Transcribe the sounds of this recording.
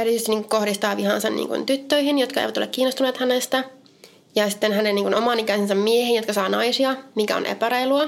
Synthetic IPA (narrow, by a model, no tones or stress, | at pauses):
æryit̪yest̪inːiːŋkukohɾist̪ɑːʋihɑnsɑnnḭːŋkṵnt̪yt̪ːøihinjot̪kɑḛiʋæt̪o̰lḛkiːnːost̪uneːt̪hænest̪æ | jɑsit̪ːenɦænenniːŋkunomɑːnikæisensɑmmiehinjot̪kɑsɑːnɑisiɑmikæo̰nʔḛpæɾɑjluɑ